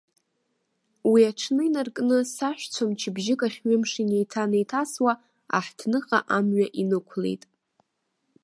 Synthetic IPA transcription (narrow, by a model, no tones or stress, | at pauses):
wiaʈ͡ʂʰnɨinarkʼnɨsaʃʷᶣt͡sʷʰamt͡ʃʰɪbʒɪkʼaχʲɥɪmʂinejtʰanejtʰaswa | a̰ħtʰnɨχʼa̰ʔamɥaʔinɨkʷʰle̞̰jtʼ